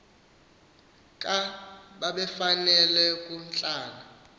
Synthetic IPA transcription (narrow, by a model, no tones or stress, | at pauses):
kʼaɓaɓɛfanɛlɛkʼun̩t͡ɬʼaːna